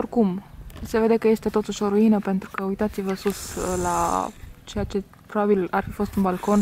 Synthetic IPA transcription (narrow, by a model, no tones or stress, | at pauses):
orkumse̞ve̞d̪ekəje̞st̪e̞t̪o̞t̪uʃoɾuinəpe̞nt̪ɾukəujt̪at̪sivəsuslat͡ʃe̞jat͡ʃe̞ | pɾobabilarfifo̞st̪unbalko̞n